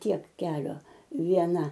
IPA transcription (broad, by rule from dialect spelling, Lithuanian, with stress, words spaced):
ˈtʲiɛk ˈkʲæːlʲoː ʋʲiɛˈnɐ